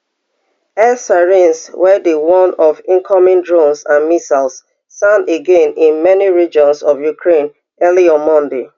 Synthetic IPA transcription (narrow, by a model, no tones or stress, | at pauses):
ɛsaɹĩnswɛdiwɔ̃nɔvĩŋkʰɔmĩndɹõnsãnmisalsː | ãneɡẽnĩnmɛniɹid͡ʒɔ̃nsɔvjukʰɹẽn | ɛliɔ̃nmɔ̃nde